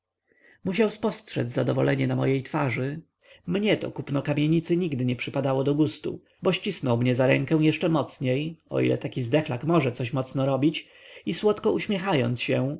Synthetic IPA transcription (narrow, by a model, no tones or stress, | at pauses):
muɕ̬awspɔstʂɛ̰zʲzad̪ɔvɔ̰lʔɛɲɛnamɔ̰jejt̪faʐɘ | mɲɛt̪ɔ̰kupnɔkamʲjeɲit̪sɘɲiɡd̪ɘɲɛpʂɘpad̪awɔd̪ɔɡust̪ṵ | bɔɕt͡ɕisnɔwmɲɛzaɾɛŋkɛw̃jɛʂt͡ʂɛmɔt̪sɲejɔ̰ʔḭlʔɛ̰t̪akʲizd̪ɛxlakmɔʐɛt̪sɔɕmɔt̪snɔɾɔbʲit͡ɕ | iswɔt̪kɔʔuɕmʲjɛxajɔ̰nt̪sɕɛ